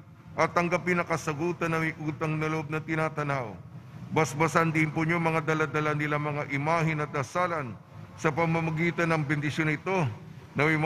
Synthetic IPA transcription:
ʔɐt̪ːɐŋɡɐpɪnɐkɐsɐɡuːt̪ɐnɐɐjʔuːt̪ɐŋnɐloʔob̚nɐt̪ɪnaːt̪ɐnawbɐsbɐsɐnd̪ɪnpʊɲoŋmɐŋad̪ɐlad̪ɐlanɪlaŋmɐŋaʔɪmaːɦɪnɐt̪̚d̪ɐsaːlɐn | sɐpɐmːɐmɐɡiːt̪ɐnɐŋbɛnd̪ɪsjo̞nɪt̪o̞ | nɐmɐjm

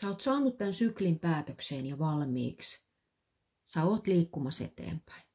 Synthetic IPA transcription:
sæoːt̪sɑːnːut̪t̪ænsyklimpæːt̪økseːnjɑʋɑlmḭːks | sæoːt̪liːkːumɑsḛt̪ḛːmpæ̥in

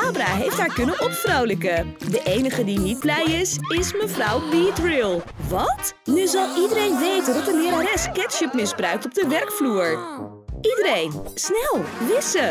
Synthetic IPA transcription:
aːbraɦejftɦaːɹkɵnənʔɔpfrowləkədəʔejnəχədinid̚blɛjɪsɪsməvrʌwbitrilˠ | ʋɑtnyzɑlˠʔidəɾejnʋejtəndɔtənɪɾaɾɛskɛtʃəpmɪzbrœɥk̚tɔb̚dəʋɛɹkfluːɹ | idəɾejnsnɛlˠʋɪsə

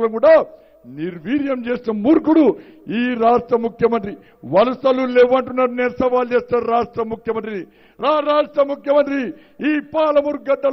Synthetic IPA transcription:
lɐmkuːɽaː | niɾʋiːɾjɐmt͡ʃe̞ːsnɐmuːɾkuɽu | iːɾaːʂʈɾɐmukʰjɐmɐnt̪ɾi | ʋɐlɐsɐluleʋːɐɳʈunːaɾuneːɾsɐʋaːld͡ʒeːsʈ̪ɐːɾɾaːʂʈɾɐmukʰjɐmɐnt̪ɾini | ɾaːɾaːʂʈɾɐmukjɐmɐnt̪̬ɾi | iːpaːlɐmuɾk̚ɡɐd̪ːɐl

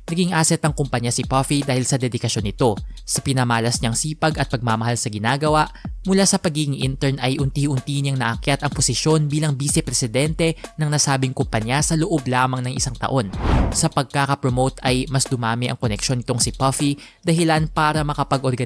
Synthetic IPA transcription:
nɐɡiŋʔasɛt̪ːɐŋkʊmpɐɲasɪpofid̪aːhɪlsɐd̪ɛd̪ɪkɐʃo̞nɪt̪o̞sɐpɪnɐmaːlɐsɲaɐŋsiːpɐɡɐt̪̚pɐɡ̚mamɐhalsɐɡɪnaːɡɐwaʔmʊlasɐpɐɡiːɡɪŋʔɪnt̪ɛɹnɐjʔʊnt̪iːʊnt̪iːɲɐŋnɐʔɐkjat̪ɐŋposɪʃjo̞nbiːlɐŋbiːsɛpɾɛsɪd̪ɛnt̪ɛnɐŋnɐsaːbɪŋkʊmpɐɲasɐloʔo̞blaːmɐŋnɐŋʔɪsaŋt̪ɐ̰ʔo̞nsɐpɐɡ̚kakɐpɾomowt̪ɐjmɐsd̪ʊmaːmɪʔɐŋko̞nɛkʃo̞nːɪt̪o̞ŋsɪpafi | d̪̥ɐhɪlanpaːɾɐmɐkɐpɐɡʔo̞ɾɡɐ

